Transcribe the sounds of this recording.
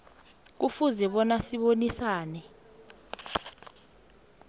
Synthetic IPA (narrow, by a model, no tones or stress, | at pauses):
k̬ufuzɛɓɔnasiɓonisaːnɛ